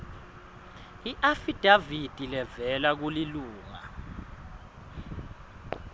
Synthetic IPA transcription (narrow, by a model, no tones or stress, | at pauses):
iʔafid̥ʱavid̥ʱilɛvɛlak̬uliluːŋa̰